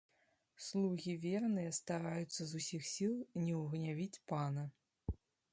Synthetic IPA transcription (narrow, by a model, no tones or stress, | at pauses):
slˠuɣʲivʲernɨjɐst̪aɾajut̪sːɐzusʲixsʲilˠnʲɛwɣnʲavʲit͡sʲpanɐ